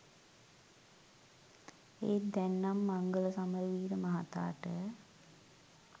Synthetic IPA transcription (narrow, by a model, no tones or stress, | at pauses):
eːd̪ɛnːamːaŋɡələsaməɾiʋiːɾəmaɦat̪a̰ːʈə